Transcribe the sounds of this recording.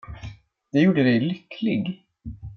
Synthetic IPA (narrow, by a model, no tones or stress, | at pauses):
d̪̥ɛjuːɖəd̪ɛjlʏkʰlɪɡ